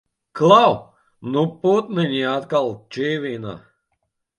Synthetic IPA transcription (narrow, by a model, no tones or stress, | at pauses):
klˠaw | nuput̪nɨnʲiat̪kalˠt͡ʃiːvʲiːna̰